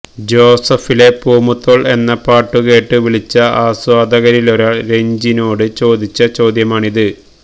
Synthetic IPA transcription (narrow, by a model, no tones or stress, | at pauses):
d͡ʑo̞ːsɐfile̞poːmut̪ːo̞ːɭe̞nːɐpaːʈːuke̞ːʈːɨʋiɭit͡ɕːɐaːswaːd̪ɐɣɐɾilo̞ɾaːɭɾe̞ɲd͡ʑino̞ːɽɨt͡ɕo̞ːd̪it͡ɕːɐt͡ɕo̞ːd̪jɐmaːɳiðɨ